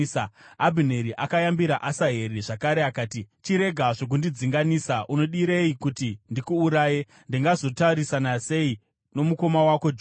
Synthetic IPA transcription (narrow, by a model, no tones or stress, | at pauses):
abʱine̞ɾiʔakajambiɾaʔasaɦe̞ɾeʐakaɾeakaːtit͡ʃiɾe̞ɡʱaʐo̞k̬undid͡ziŋɡanisaʔuno̞ɗiɾeikutindikuːɾaːje | ndiŋɡazo̞tauɾisanase̞i | no̞muko̞mawako̞d͡ʒ